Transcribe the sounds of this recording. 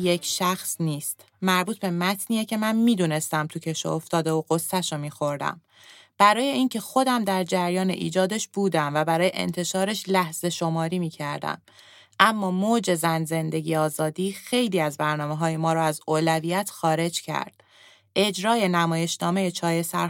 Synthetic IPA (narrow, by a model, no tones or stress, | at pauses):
jecʰʃæxsniːst̪ | mæɾbuːt̪ʰbe̞mæt̪ʰniːecʰe̞mænmiːd̪une̞st̪æmt̪ʰucʰe̞ʃo̰oft̪ɒːd̪eoɣosːæʃomiːxo̞ɾd̪æ̰m | b̥æɾɒːje̞iːncʰe̞xo̞d̪æmd̪æɾd͡ʒæɾjɒːnḛʔḭːd͡ʒɒːd̪eʃb̥uːd̪æmvæbæɾɒːjḛʔḛnt̪ʰe̞ʃɒːɾe̞ʃlæhz̥e̞ʃo̞mɒːɾiːmiːcʰæɾd̪æ̰m | ʔæmːɒːmod͡ʒe̞zænze̞nd̪e̞ɡiːɒːzɒːd̪iːxe̞jliːæzbæɾnɒːmeɦɒːje̞mɒːɾɔæzoːlæviːjæt̪ʰxɒːɾe̞d͡ʒcʰæ̰ɾd̪̥̚ | ʔe̞d͡ʒɾɒːje̞næmɒːje̞ʃnɒːme̞je̞t͡ʃʰɒːje̞sæ̰ɾ